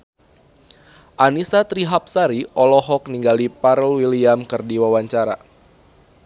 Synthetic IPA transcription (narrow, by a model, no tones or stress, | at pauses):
ʔanisat̪ɾiɦap̚saɾiʔɔlɔɦɔk̚niŋɡalipaɾəlwiliamkɨrdiwawaɲt͡ʃaɾa̰